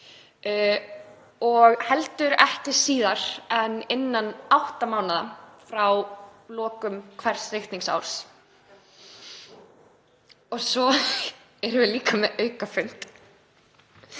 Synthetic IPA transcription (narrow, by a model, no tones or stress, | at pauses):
ɔɣhɛlt̪ʏɾɛhcɪɾ̥siːðaɾ̥ɛnːɪnːanawht̪amaːwnaða̰fɾawlɔːkʏmkʰvɛr̥srejht̪niŋsa̰wɾ̥s | ɔsɔ | ɛɾvɪliːkamɛʔœːɥkafʏɥn̥t̪